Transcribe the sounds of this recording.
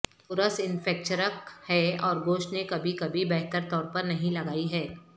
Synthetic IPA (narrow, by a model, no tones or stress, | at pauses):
pʊɾəsɪ̃nfɛːk̚t͡ʃəɾəkhɛɔːɾɡoːʃʈnekɐbʱikɐbʱibɛɦt̪əɾt̪ɔːɾpɐɾnɐɦĩlɐɡaːiɦɛː